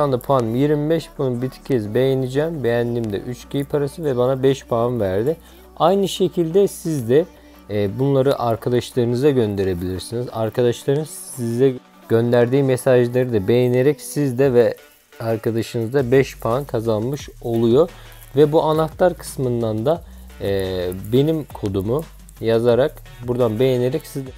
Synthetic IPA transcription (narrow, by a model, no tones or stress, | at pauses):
and̪apʰanmjiɾmibɛʃpʰonɯbit̪ʰi̥cʰɛzbe̞jenid͡ʒɛːmbe̞jænd̪imd̪ɛ̰ʔyt͡ʃcʰijpʰaɾasɯvɛbanabɛʃpʰaːnvæɾd̪ɪ | ajnɯʃe̞cʰilʲd̪ɛsizd̪ɛ | bunlˠaɾɯʔaɾkʰad̪aʃlˠaɾɯnɯzaɟø̞nd̪e̞ɾe̞bilʲiɾsiniza̰ɾkʰad̪aʃlˠaɾɯnz | izɛ | ɟ̥ø̞nd̪æɾd̪iːmesaʒlˠaɾɯd̪abe̞jeneɾɛcsizd̪ɛvɛ | aɾkʰad̪aʃɯnɯzd̪abɛʃpʰaːnkʰazanmɯʃo̞lˠujo | vɛbuʔanat̪lˠaɾkʰɯ̥smɯnd̪and̪a | be̞nimkʰo̞d̪umu | jazaɾak | buɾd̪anbe̞jene̞ɾɛcsizd̪